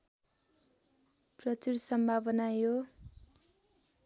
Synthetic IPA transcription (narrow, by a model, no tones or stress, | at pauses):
prʌt͡suɾsʌmbʱabʌnajo